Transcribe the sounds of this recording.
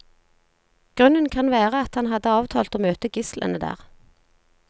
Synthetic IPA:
ɡ̥ʁʉnənkʰɑnʋæːʁəɑt̪hɑnɦɑd̪əɑːʋt̪ʰɑ̰ːlt̪oːmøːt̪əɡɪslʔə̰nəd̪æ̰ːʁ

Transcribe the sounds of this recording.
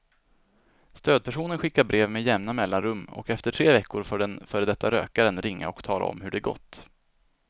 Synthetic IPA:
st̪øːd̪̚pʰæʂuːnənɧɪkːaɾbɾeːvmejɛmnamɛlːanɾɵmːɔ̰kɛft̪əʈʰɾeːvɛkːʊɾfœːɖɛnfœːɾəd̪ɛt̪ʰːaɾø̰ːkaɾənɾɪŋːa̰ɔkt̪ʰɑːla̰ɔ̰mhɵɖɛːɡɔ̰t̪ː

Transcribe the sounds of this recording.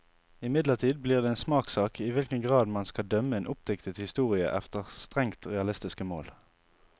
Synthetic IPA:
ɪmɪd̪ləʁt̪ʰiːd̪̚bliːʁd̪eːeːnsmɑːksɑːkʰɪʋɪlkənɡʁɑːd̪mɑnskɑd̪œməeːnʔʊp̚d̪ɛkt̪ət̪hɪst̪uːʁɪə̰ʔɛft̪əʁst̪ʁɛŋt̪ʁɛɑlɪst̪ɪskəmo̰ːl

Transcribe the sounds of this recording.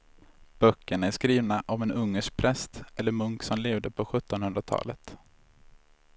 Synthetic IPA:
b̥œkːəɳaæʂkɾiːvnaʔɔmɛnɵŋːəʂk̚pʰɾɛst̪ɛlːəɾmɵŋksɔmleːvd̪əpʰɔɧɵt̪ːɔnhɵnd̪ɾat̪ʰɑ̰ːlət̪

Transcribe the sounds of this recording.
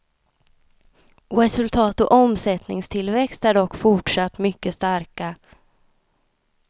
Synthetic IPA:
ɾɛsɵlt̪ʰɑːt̪ɔʔɔmsɛt̪nɪŋst̪ʰɪlvɛkst̪æɖɔkːfʊʈʂat̪ːmʏkːəst̪aɾka

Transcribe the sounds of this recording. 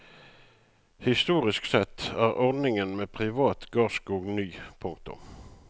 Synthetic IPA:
hɪst̪uːʁɪsksɛt̪ʰːæːʁɔʁd̪nɪŋənmeːpʰʁɪʋɑːt̪ɡɑːskuːɡnyːpʰʊŋk̚t̪ʊ̰m

